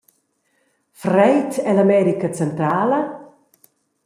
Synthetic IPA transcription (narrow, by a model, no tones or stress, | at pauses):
frɛjtɛlamɛɾikat͡sɛnt̪ɾaːlə